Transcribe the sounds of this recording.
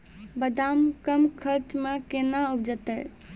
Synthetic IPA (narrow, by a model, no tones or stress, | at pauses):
bəd̪amkəmkʰəɾt͡ʃmekenaupd͡ʒət̪əj